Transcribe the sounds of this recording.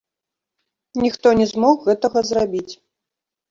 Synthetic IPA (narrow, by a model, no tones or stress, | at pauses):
nʲixt̪ɔnʲɛzmɔxɣɛt̪ɐɣɐzrabʲit͡sʲ